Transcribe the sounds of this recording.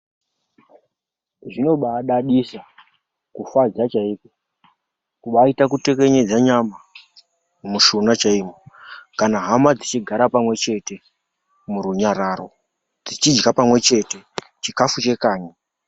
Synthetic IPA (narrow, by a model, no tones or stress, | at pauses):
ʐino̞ɓaɗaɗisa | kufad͡zat͡ʃaiːko | kuɓaitakute̞ke̞ɲe̞d͡zaɲama | muʃonat͡ʃaimokanaɦamad͡zit͡ʃiɡʱaɾapamwe̞t͡ʃe̞te̞ | muɾuɲaɾaro̞ | d͡zit͡ʃid͡ʒɡapamwe̞t͡ʃe̞te̞ | t͡ʃikafut͡ʃe̞kaːɲa